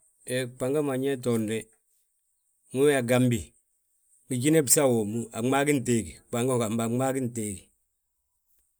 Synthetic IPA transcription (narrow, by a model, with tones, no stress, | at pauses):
e˨k͡pa˨ŋɡa˦ma˨ɲe˦t̬o˨ndɛ˦ | ŋu˦wa˨ɡa˦mbi˨ | ŋi˨ɟi˦ne˦bsa˦˨wo˨mu˦a˨ŋ͡ma˦ɡi˦n˨teː˦ɡi˨k͡pa˨ŋɡo˦ka˨mba˨ŋ͡ma˦ɡi˦n˨teː˦ɡi˨